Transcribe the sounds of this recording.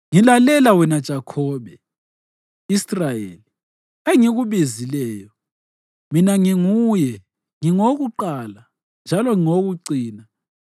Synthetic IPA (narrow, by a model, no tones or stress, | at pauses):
ŋilalɛlawɛnad̥ʒ̥ʱakʰɔːβɛ | israjḛːli | eŋiɣuβizilɛːjɔ | minaŋiŋujɛ | ŋiŋoɣuǃaːla | nd͡ʒʱalɔŋiŋoɣuǀiːna